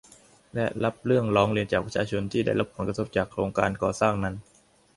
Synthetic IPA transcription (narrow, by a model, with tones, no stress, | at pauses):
lɛ˦˥la˦˥p̚ɾɯ˥˩əŋɾɔː˦˥ŋɾi˧ənt͡ɕaː˨˩k̚pɾa˧˥t͡ɕʰaː˧t͡ɕʰo˧nt̪ʰiː˥˩da˥˩jɾa˦˥pʰːo˩˦nkɾa˧t̪ʰo˦˧˩p̚t͡ɕaː˨˩kʰːɾoː˧ŋkaː˧nkɔː˨˩saː˥˩ŋna˦˥n